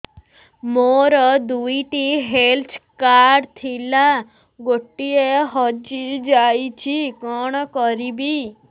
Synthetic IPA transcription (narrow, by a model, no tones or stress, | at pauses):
moɾɔd̪uiʈiɦelt̪ʰkaɾɾɖt̪ʰila | ɡoʈːieɦɔd͡ʒid͡ʒajt͡ʃʰikɔɳ̃kɔɾibi